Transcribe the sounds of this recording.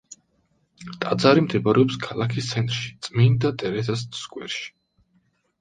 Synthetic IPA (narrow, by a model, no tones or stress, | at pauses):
t̪ʼad̪zaɾimd̪ʰɛbaɾɛɔpskʰalˠakʰist̪sʰɛnt̪ʼɾʃi̥t̪sʼmind̪at̪ʼɛɾɛzasskʼwɛɾʃi̥